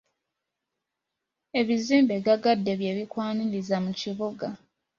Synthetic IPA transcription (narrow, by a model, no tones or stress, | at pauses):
e̞βiziːmbeɡaɡadːe̞βje̞βikwaːnilizamuciβuɡa